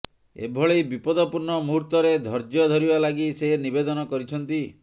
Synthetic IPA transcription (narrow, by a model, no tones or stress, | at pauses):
ḛbʱɔɭebipɔd̪ɔpuɾɳɔmuɾt̪ɔɾed̪ʱɔɾd͡ʒjɔd̪ʱɔɾibalaɡisenibed̪ɔnɔkɔɾit͡ʃʰɔnt̪i